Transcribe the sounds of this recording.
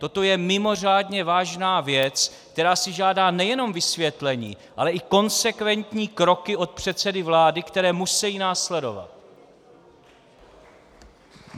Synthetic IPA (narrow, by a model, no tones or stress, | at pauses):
t̪o̞t̪o̞jɛmɪmo̞r̝aːdɲɛvaːʒnaːvjɛt͡sk̚t̪ɛɾaːsɪʒaːdaːnɛjɛno̞mvɪsvjɛt̪lɛɲḭː | ʔalɛʔɪko̞nsɛkvɛnt̪ɲiːkɾo̞kɪʔo̞t̪̚pr̥ɛt̪sɛdɪvlaːdɪkt̪ɛɾɛːmusɛjiːnaːslɛdo̞̰va̰t̪̚